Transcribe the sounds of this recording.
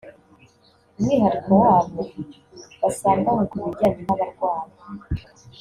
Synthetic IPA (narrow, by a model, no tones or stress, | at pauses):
umŋiːɦaɾikowaːβo | βasaːŋɡawekumuɾɟaːɲinaβaɾɡwaːɾa